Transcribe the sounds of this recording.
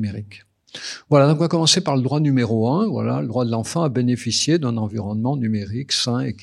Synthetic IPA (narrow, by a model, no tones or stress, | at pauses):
meʁik | vwalad̪ɔ̃k̬ɔ̃vakɔmɑ̃sepaʁləd̪ʁwanymeʁoɛ̃vwa̰la̰ləd̪ʁwad̪əlɑ̃fɑ̃abenefisjed̪ɛ̃nɑ̃viʁɔnmɑ̃nymeʁiksɛ̃ek